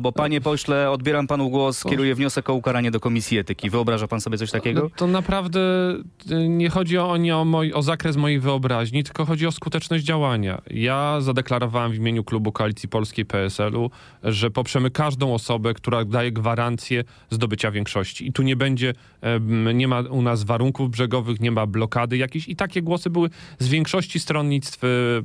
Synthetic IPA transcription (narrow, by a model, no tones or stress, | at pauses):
lbɔpaɲɛpɔɕlɛɔd̪̚bʲjeɾampanuɡwɔskɛɾujɛvɲɔsɛkɔukaɾaɲɛd̪ɔkɔmʲisʲjiɛt̪ɘkʲivɨɔbɾaʐapansɔbʲɛt̪sɔɕʲt̪akʲɛɡɔt̪ɔnapɾavd̪ɛ | ɲɛxɔd͡ʑiɔɔɲɛɔmɔjʔɔzakɾɛs̬mɔjejvɘɔbɾaʑɲit̪ɘ̥lkɔxɔd͡ʑiɔskut̪ɛt͡ʂnɔʑd͡ʑd͡ʑawaɲa̰jazad̪ɛklaɾɔvawamvʲimʲjeɲuklubukɔalʲit̪sʲjipɔlskʲejpɛɛsɛlu | ʐɛpɔpʂɛmɘkaʐd̪ɔ̃w̃ɔsɔbɛkt̪uɾad̪ajɛɡvaɾant̪sʲjɛ | zd̪ɔbɘt͡ɕavʲjɛŋkʂɔɕt͡ɕiːt̪uɲɛbɛɲd͡ʑɛ | ɲɛmaunasvaɾuŋkuvbʐɛɡɔvɘxɲɛmablɔkad̪ɘjakʲeɕit̪akʲɛɡwɔsɘbɘwɘzvʲjɛŋkʂɔɕt͡ɕist̪ɾɔnɲit̪st̪f